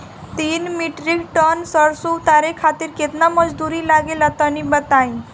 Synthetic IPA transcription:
t̪iːnmiʈɾikʈənsəɾsuwt̪aɾekʰat̪iːɾket̪naməd͡zd̪uɾiːlaɡelat̪əñibət̪ai

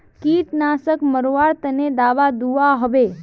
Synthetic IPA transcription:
kit̪nasəkməɾoʋaɽt̪əned̪aːʋad̪uaɦəʋe

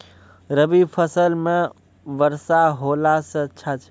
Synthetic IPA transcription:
ɾəbipʰəsəlme | ʋəɾsaɦolasə̃ətːʃʰat͡ʃʰ

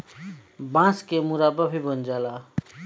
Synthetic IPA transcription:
bãskemuɾabʌpʰibʌnd͡zala

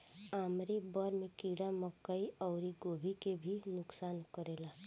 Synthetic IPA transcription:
aːmɾibɔɾmẽkiːɽaməkːəiɔːɾiɡoːbʱikebʱinʊksaːnkəɾeːlaː

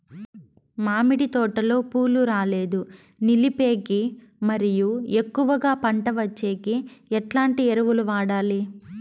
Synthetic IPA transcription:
maːmiɽit̪ɔːʈɐlo̞ːpuːluɾaːle̞ːd̪u | nilipe̞ːɡi | mɐɾijuekːuʋɐɡaːpɐɳʈɐʋɐt͡ʃːe̞ːɡiɛʈlaːɳʈieɾɐʋuluʋaːɽaːli

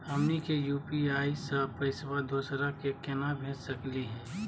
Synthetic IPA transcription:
əmnikejuːpiaːisaːpəɪsʋad̪oːsɾakekenabʱẽːd͡ʒsɐkliɦɛ̃ː

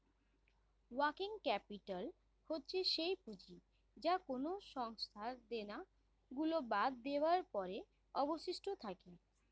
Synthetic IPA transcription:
wakiŋkɛpiʈal | hotːɕʰeʃejpud͡ʑi | d͡ʑakonoʃɔŋst̪ʰad̪ena | ɡulobad̪̚ːewaɾpɔɾe | ɔboʃiʃʈʰot̪ʰake

